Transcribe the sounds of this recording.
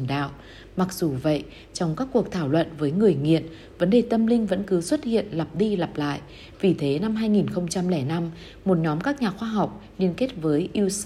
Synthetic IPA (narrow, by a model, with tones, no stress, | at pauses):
nɗa̰ː˧˨wʔ | ma˨˩k̚zu˨˩və̰˧˨jʔ | t͡ɕɔ˧wŋ͡mkaː˦˥kːu˨˩ək̚t̪ʰaː˧˩wlwə̰˧˨nvəː˨˦jŋɨ˨˩əjŋḭ˧˨ən | və˨˦nɗe˨˩t̪ə˧mlï˧ŋ̟və̰˧˥nkɨ˨˦swə˦˥t̚hḭ˧˨ənla˨˩p̚ɗi˧la˨˩p̚la̰ː˧˨j | vi˨˩t̪ʰe˨˦na˧mɦaː˧jŋi˨˩nxə˧wŋ͡mt͡ɕa˧mlɛ˧˩na˧m | mo˨˩t̚ɲɔ˨˦mkaː˦˥k̚ɲaː˨˩xwaː˧ɦa˨˩wk͡p̚li˧ənke˦˥t̚vəː˨˦jʔi˧əw